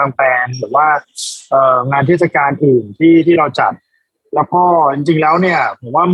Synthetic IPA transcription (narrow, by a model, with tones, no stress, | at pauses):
a˧ŋp̪ɛː˧nɾɯː˩˦waː˥˩ʔɤː˨˩ŋaː˧nt̪ʰeː˥˩t̪̚sa˧kaː˧nʔɯː˨˩nt̪ʰiː˥˩t̪ʰiː˥˩ɾa˧wt͡ɕa̰˨˩t̪̚ | lɛː˦˥wkɔː˥˩t͡ɕi˧ŋt͡ɕi˧ŋlɛː˦˥wni˥˩ɐpʰo˩˦mwaː˥˩m